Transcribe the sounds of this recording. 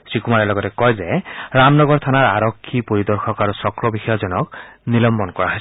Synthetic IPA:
sɹikumaɹɛlɔɡɔtɛkɔjzɛɹamnɔɡɔɹt̪ʰanaɹaɹɔkʰːipoɹidɔɹxʰɔkaɹusɔkɹɔbixɔjɔzɔnɔknilɔmbɔnkɔɹaɦojs

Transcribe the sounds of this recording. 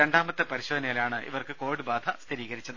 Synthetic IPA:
ɾe̞ɳɖaːmɐt̪ːɨpɐɾiɕod̪ɐnɐjɐlaːɳɨʔḭʋɐrkɨko̞ːʋiɽɨbaːd̪ʱɐst̪ʰiɾiːɣɐɾit͡ɕːɐðɨ

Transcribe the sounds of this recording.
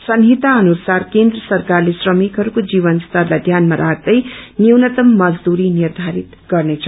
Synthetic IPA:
sʌnɦit̪aʌnusarkend̪rʌsʌrkarlesrʌmikɦʌɾukod͡ziβʌnst̪ʌrlajd̪ʱjanmaɾʔaɡ̚d̪ʌjniwnʌt̪ʌmːʌd͡zd̪uɾinird̪ʱaɾit̪ɡ̥ʌrnet͡sʰʌ

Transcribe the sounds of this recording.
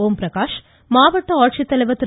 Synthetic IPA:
oːmpɾɐkaːʃ | maːʋɐʈːɐɔːʈʃit̪ɐlɐʋɐt̪ɾ

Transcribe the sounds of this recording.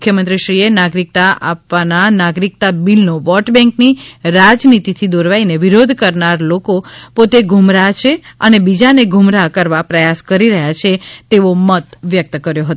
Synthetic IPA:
mukʰːjəmənt̪ɾiʃɾienaɡɾik̚t̪aʔapʋananaɡɾik̚t̪abilnoʋɔʈbɛ̃ŋkniɾad͡ʒnit̪it̪ʰid̪oɾʋaineʋiɾod̪ʱkəɾnaɾlokopot̪eɡʱumɾat͡ʃʰeənebid͡ʒaneɡʱʊmɾakəɾʋapɾəjaskəɾiɾəɦjat͡ʃʰet̪eʋomət̪ʋjək̚t̪kəɾjoɦət̪

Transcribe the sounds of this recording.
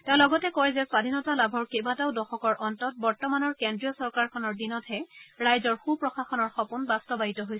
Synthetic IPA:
tɛ̃ʊ̃lɔɡɔtɛkɔjzɛswadʱinɔtalabʱɔɹkebataʊdɔxɔkɔɹʔɔntɔt̚bɔɹtɔmanɔɹkendɹijɔsɔɹkaɹkʰɔnɔɹdinɔthɛɹajzɔɹxupɹɔxaxɔnɔɹxɔpunbastɔbaɦitɔɦojs

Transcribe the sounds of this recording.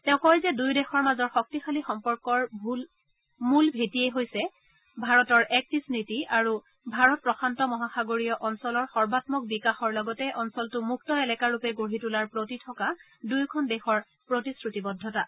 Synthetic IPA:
tɛʊ̃kɔɹjzɛdujdɛxɔɹmazɔɹxɔk̚tixalixɔmpɔɹkɔɹbʱl | mulbʱetieɦojsɛ | bʱaɹɔtɔɹʔɛk̚tisnitiaɹu | bʱaɹɔt̚pɹɔxʰantɔmɔɦaxaɡoɹiɔʔɔnsɔlɔɹxɔɹbatmɔk̚bikaxɔɹlɔɡɔtɛʔɔnsɔltʊmuk̚tɔelɛkaɹupɛɡoɹitulaɹpɹotitʰɔka | dujkʰɔndɛxɔɹ | pɹotisɹutibɔdʱːɔta

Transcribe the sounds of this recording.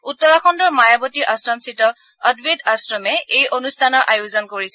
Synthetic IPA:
utːɔɹaxɔndɔɹmajabotiʔasɹɔmsitɔ | ədbidasɹɔmɛejʔonustʰanɔɹʔajuzɔnkoɹisɛ

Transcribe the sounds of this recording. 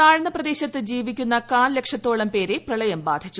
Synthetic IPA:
aːɻɐɳɐprɐd̪e̞ːɕɐt̪ːɨd͡ʑiːʋikʲːunːɐkaːnlekʂɐt̪ːo̞ːɭɐmpe̞ːɾeprɐɭɐjɐmbaːd̪ʱit͡ɕːu

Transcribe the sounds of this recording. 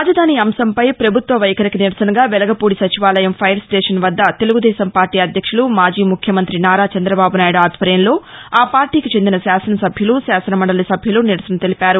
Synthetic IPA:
aːd͡ʒɐd̪ʱaːniːɐmsɐmpɐjpɾɐbʱut̪ʋɐʋɐjɐkɐɾikiniɾɐsɐnɐɡaːʋɛlɐɡɐpuːɽisɐt͡ʃiʋaːlɐjɐmpʰɐjɐɾsʈeːʂɐnʋɐd̪ːɐt̪e̞luɡud̪ɛːsɐmpaːɾʈiːɐd̪ʱjɐkʂulumaːd͡ʒiːmukʰjɐmɐnt̪ɾinaːɾaːt͡ʃɐnd̪ɾɐbaːbunaːjuɽaːd̪ʱʋɐɾjɐnlo̞ːaːpaːɾʈiːkit͡ʃe̞nd̪inɐsaːsɐnɐsɐbʱjulusaːsɐnɐmɐɳɖɐlɐsɐbʱjuluniɾɐsɐnɐt̪e̞lipaːɾu

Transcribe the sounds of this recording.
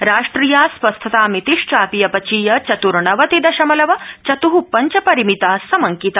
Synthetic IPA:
ɾaːʂʈɾijaːspɐst̪ʰɐt̪aːmit̪iʂt͡ʃaːpijɐpɐt͡ʃiːjɐt͡ʃɐt̪uɾɳɐʋɐt̪id̪ɐʃɐmɐlɐʋɐt͡ʃɐt̪uɦupɐɲt͡ʃɐpɐɾimit̪aːsɐmɐŋkit̪a

